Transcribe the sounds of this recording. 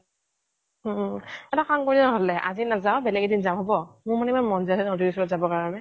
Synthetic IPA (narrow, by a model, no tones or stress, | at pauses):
ɛtakʰaŋkoɹinɔɦɔlɛʔa̰zinazaʊbɛlɛɡɛdinzaʊɦɔbɔmʊɹmanɛimanmɔnzasɛnɔdiisɔɔzabɔkaɹɔnɛ